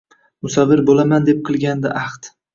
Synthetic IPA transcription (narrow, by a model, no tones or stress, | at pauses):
mʊsɒvɪɾbolamand̪ep̚qʰɨlˠɡʲand̪ɪʔɑχt̪